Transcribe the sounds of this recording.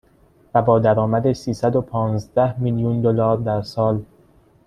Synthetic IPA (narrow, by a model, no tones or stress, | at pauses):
væbɒːd̪æɾɒːmæd̪esiːsæd̪opʰɒːnzd̪æhmiljund̪olɒːɾd̪æɾsɒːl